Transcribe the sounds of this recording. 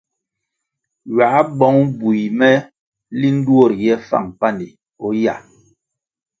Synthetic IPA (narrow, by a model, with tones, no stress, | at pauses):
ɥa˨˦bɔ˨˦ŋbu˨jmɛ˦ | li˦n̩˦du˦o˦˨ɾjɛ˦fa̰˦˨ŋpa˦˨ndi˨ | ɔ˦ja˨